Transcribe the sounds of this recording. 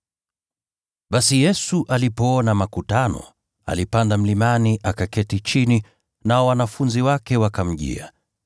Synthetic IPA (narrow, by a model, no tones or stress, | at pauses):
ɓasijɛsuʔalipɔɔnamakutanɔ̰ | a̰lipandam̩limaniʔakakɛtit͡ʃini | naɔwanafunziwakɛwakam̩ʄḭa